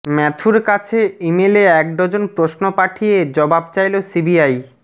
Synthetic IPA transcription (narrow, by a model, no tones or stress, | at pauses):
mɛt̪ʰuɾkat͡ɕʰeimeleɛk̚ɖ̪ɔd͡ʑonpɾosnopaʈʰijed͡ʑɔbab̚t͡ɕajlosibiaj